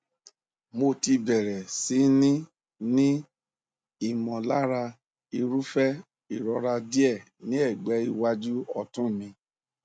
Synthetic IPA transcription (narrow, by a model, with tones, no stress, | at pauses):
mo˧˨ti˧bɛ˨ɾɛ˨si˨˦nĩ˦ | nĩ˦ | i˦˨mɔ̃˨la˦ɾa˧ | i˧ɾu˦fɛ˦ | i˨ɾɔ˧˦ɾa˧di˦ɛ˦˨ | nĩ˦ɛ˦˨ɡ͡bɛ˨˦i˧wa˦d͡ʒu˦ɔ˧tũ˦˨mĩ˧